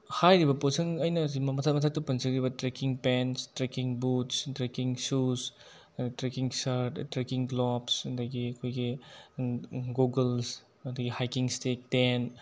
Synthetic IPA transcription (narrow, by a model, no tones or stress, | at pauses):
hajɾibɐposɐŋɐjnɐimmɐtʰat̚mɐtʰak̚tɐpɐnzɐɡɾibɐtɾekiŋpenstɾekiŋbutstɾekiŋsus | itɾekiŋsɐɾttɾekiŋɡlɔpsɐdɐɡiɐkʰojɡi | ɡuɡels | ɐd̪ɐɡihajkiŋstek̚ten